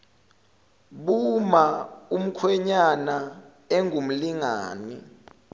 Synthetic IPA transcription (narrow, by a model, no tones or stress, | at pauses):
ɓumaum̩kʰwɛɲana | ɛŋʱum̩liŋa̰ːni